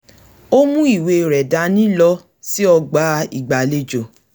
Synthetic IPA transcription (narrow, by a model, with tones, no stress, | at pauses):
o˦mũ˦i˦˨we˧˨ɾɛ˨da˨˧nĩ˦lɔ˧˦ | si˦ɔ˧ɡ͡ba˨˦i˨ɡ͡ba˨le˦d͡ʒo˨